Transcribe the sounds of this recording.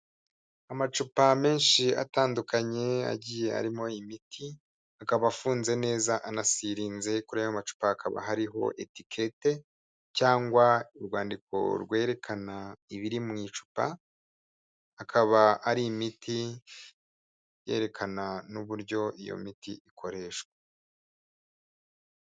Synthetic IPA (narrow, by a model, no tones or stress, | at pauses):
amat͡ʃupame̞ːnʃia̰taːndukaɲe̞a̰ɟiːje̞a̰ɾimo̞imitʰi | akaβaːfuːnze̞ne̞ːzaʔanasiɾiːnze̞kuɾehamat͡ʃu̥paːkʰaβa̰ɦaɾiɦo̞̰ʔe̞tikʰe̞te̞ | caːŋɡwaiɾɡwaːndikʰo̞̰ɾɡwe̞ːɾe̞kʰanaiβiɾimŋiːt͡ʃu̥pa | kʰaβaaɾiːmiti | je̞̰ːɾe̞kʰananuβuɾɟo̞ʔijo̞̰mitḭʔikʰo̞ɾe̞ːʃkwe̥